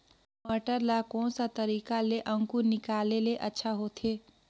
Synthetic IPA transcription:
məʈəɾlakɔ̃ːnsat̪əɾiːkaleʔə̃ŋkunɪkaːleleʔətːʃʰaɦot̪ʰe

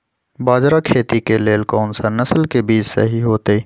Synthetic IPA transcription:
baːd͡ʒɾakʰeːt̪ikeleːlkɔːnsanɐsəlkebiːt͡ʃsḛɦiɦoːt̪e

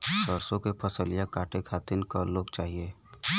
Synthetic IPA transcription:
səɾsõkepʰəsəlɪjakaːʈekʰaːt̪ɪnkaloːɡt͡ʃaːɦieː

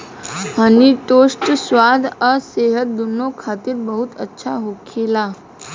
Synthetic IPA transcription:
ɦəniʈosʈsʋad̪ʱəseɦət̪̚d̪unokʰat̪iɾbəɦut̪ətːʃʰaɦokʰela

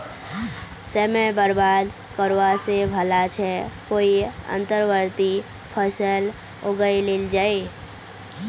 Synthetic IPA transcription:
səmebəɾbaːd̪ | kəɾʋasebʱəlat͡ʃʰɛkoiə̰̃nt̪əɾʋəɾt̪i | pʰəsəl | oɡəileld͡ʒaːe

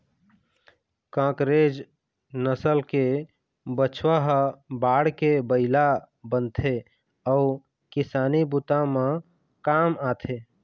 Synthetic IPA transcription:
kãkɾed͡ʒ | nəsəlke | bət͡ʃʰwəɦəbaɽkebəɪla | bənt̪ʰe | əu | kisaːnibut̪amẽ | kamat̪ʰe

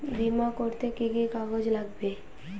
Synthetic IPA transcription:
bimakoɾt̪ekiɡikaɡod͡ʑlaɡbe

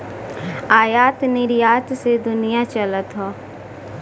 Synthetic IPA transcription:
aːjaːt̪nɪɾijaːt̪sed̪ʊnɪjat͡ʃələt̪ɦoː

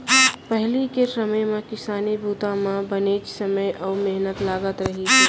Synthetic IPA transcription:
pəɦlikesəməjmẽkɪsaːnibʱuːt̪ãmãbəneːt͡ʃsəməjʔɔːmeɦnət̪laːɡət̪ɾɐɦit̪iː

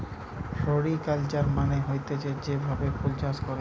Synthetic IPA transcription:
ʃoɾikalt͡ɕaɾmaneɦojt̪et͡ɕed͡ʑebʱabepold͡ʑaskɔɾe

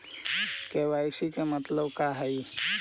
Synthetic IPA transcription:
keʋajsikemət̪ləbkaɦəj

